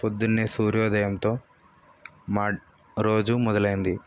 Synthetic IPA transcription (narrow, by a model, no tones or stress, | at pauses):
pod̪ːunːeːsuːɾjoːd̪ɐjɐmt̪o̞ː | maː | ɾo̞ːd͡ʒumɔd̪ɐlɐjind̪i